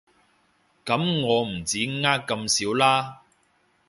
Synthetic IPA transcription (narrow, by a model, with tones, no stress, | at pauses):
kɐ˨˥mŋɔː˨˧m̩˨˩t͡siː˨˥ŋaː˥kkːɐ˧msiː˨˥wlaː˥